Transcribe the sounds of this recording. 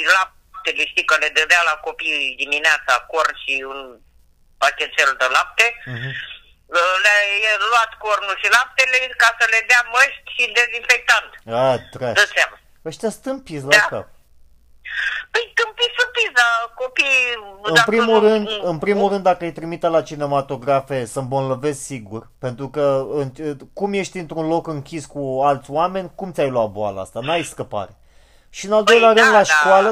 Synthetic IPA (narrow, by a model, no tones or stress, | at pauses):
ila | t̪eleʃt̪ikəled̪əɾealako̞pijd̪imineat̪sakornʃiɨn | pakʲet̪feld̪elap̚t̪eɦ | əlajeluat̪kornuʃilap̚t̪elekasəle̞d̪eaməʃt̪ʲʃid̪e̞zinfek̚t̪and̪at̪ɾad̪ət̪sama | əʃt̪ʲast̪ɨmpislad̪ka̰p̚ | pəjt̪ɨmpisɨmpislakopijɨpɾimulɾɨnd̪ɨnpɾimulrɨnd̪ːakəajt̪ɾimit̪əlat͡ʃine̞mat̪o̞ɡɾafe̞səmbonləve̞zsiɡurpe̞nt̪ɾukəɨnkumje̞ʃt̪ʲint̪ɾunlo̞kɨŋkʲiskualt̪sʲwame̞nʲkumt̪sʲajluwat̪̚boalə̰a̰st̪anajskəpa̰ɾe̞ | ʃiɨnald̪o̞jleaɾɨnd̪laʃkwalə